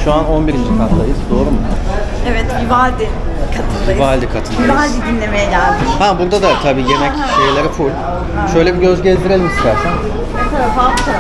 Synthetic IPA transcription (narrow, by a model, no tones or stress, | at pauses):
ʃuano̞nbiɾind͡ʒikʰat̪lˠajɯzd̪o̞ːɾumu | ɛvɛt̪ibalʲd̪i | kʰat̪ʰɯabalʲd̪ikʰat̪ʰɯibalʲd̪id̪inlʲe̞me̞jɛɟælʲd̪ɪhabuɾd̪ad̪at̪ʰabiːje̞mɛc | ʃejlʲeɾifulʲ | ʃø̞jlʲebiɟøzɟezd̪iɾelʲimist̪ʰæɾsæn | ut̪ʰaɾafabt̪